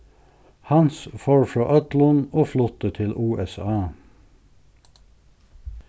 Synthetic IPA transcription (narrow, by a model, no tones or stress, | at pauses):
hɑnsfoːɹfɹɑːʔœt̪lənoːflʊt̪ət̪ʰɪlʔuːʔɛsɑː